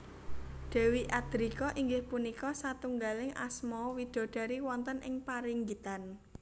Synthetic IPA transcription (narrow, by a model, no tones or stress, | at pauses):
ɖ̥ɛ̤wiʔad̪̥ɾikɔʔiŋɡɪhpunikɔsat̪uŋɡalɪŋa̰smɔwid̥ɔ̤ɖ̥a̤ɾiwɔnt̪ənʔɪŋpaɾiŋɡit̪an